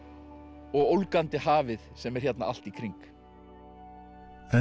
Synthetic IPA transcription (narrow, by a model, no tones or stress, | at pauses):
ɔɣowlkant̪ɪhaːvɪðsɛmɛɾ̥çjɛt̪na̰ʔal̥t̪ikʰɾiŋk | ɛ